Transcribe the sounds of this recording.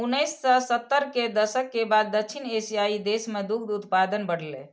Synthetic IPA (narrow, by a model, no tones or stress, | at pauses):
unəjsːəsət̪ːəɾked̪əsəkːebad̪ːəkt͡ʃʰinesijaid̪esmed̪ukʰd̪ut̪pad̪ənbəɽ̤lḛ